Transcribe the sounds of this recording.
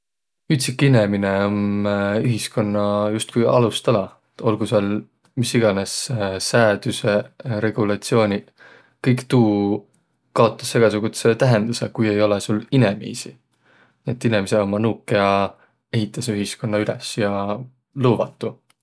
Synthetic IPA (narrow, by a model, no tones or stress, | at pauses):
yt̪sikːinemineomyɦisko̞nːɑjust̪̚kujɑ̰lust̪ɑlɑ | t̪o̞lɡusel | misːiɡ̥ɑne̞sːæːd̪̥yse̞ɾe̞ɡ̥ulɑt̪sio̞ːnʲi | kɤjkt̪uː | kɑo̞t̪ːˑɑ̥sːe̞ɡ̥ɑsuɡ̥ut̪set̪æɦe̞nd̪̥use̞kuje̞jo̞lesulːine̞mḭːsi | niet̪ːˑinemiseo̞mːɑnukːˑejɑ | e̞ɦit̪ˑːɑsyɦisko̞nːɑylesjɑ | lɤːvɑt̪ːˑu